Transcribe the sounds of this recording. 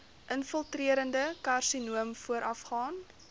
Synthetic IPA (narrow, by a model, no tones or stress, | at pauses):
ʔənfəlˠtriəɾəndəkarsinuəmfuəɾʔɐfχɑːn